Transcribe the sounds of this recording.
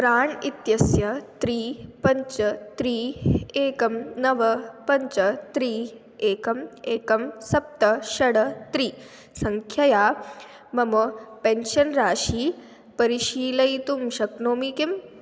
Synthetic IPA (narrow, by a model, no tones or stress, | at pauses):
pɾaːɳit̪jɐsjɐt̪ɾiːpɐɲt͡ʃɐt̪ɾiːeːkɐmnɐʋɐpɐɲt͡ʃɐt̪ɾiː | eːkɐmeːkɐmsɐp̚t̪ɐʃɐɽɐt̪ɾiː | sɐŋkʰjɐjaː | mɐmɐpenʃɐnɾaːʃiː | pɐɾiʃiːlɐjt̪umʃɐknoːmikim